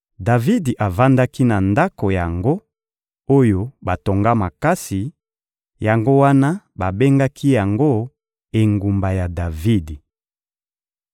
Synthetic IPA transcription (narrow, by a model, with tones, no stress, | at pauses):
da˨vi˦di˨ʔa˨va˦nda˦ki˦na˨nda˦ko˨ja˨ŋɡo˦ | o˦jo˦ba˨to˨ŋɡa˦ma˨ka˦si˨ | ja˨ŋɡo˦wa˦na˦ | ba˨be˦ŋɡa˦kʰi˦ja˨ŋɡo˦ | e˨ŋɡu˨mba˨ja˨da˨vi˦di˨